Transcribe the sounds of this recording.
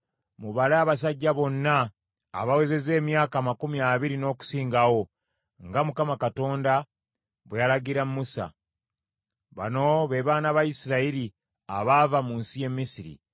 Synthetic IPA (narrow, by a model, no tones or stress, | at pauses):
muβalaːβas̬aɟːaβo̞nːa̰ː | βaweze̞ze̞ːmjaːkamakumiaβiɾino̞ːku̥siːŋɡawo̞ | ŋɡamukamakato̞ːnda | βwealaɡiɾammusa̰ | βa̰no̞βeβaːnaβaisiɾaiɾi | aβavamuːnsije̞mːisiɾḭ